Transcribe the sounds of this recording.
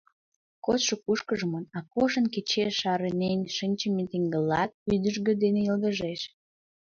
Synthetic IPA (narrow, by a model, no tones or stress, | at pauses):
kot̪ʃokuʃkəʒəmənɑkuʃə̆nket͡ɕeʃɑɾənenʲʃənʲt͡ɕəmet̪eŋɡəlːɑt̪̚yd̪əʒɣød̪eneəld̪əʒeʃ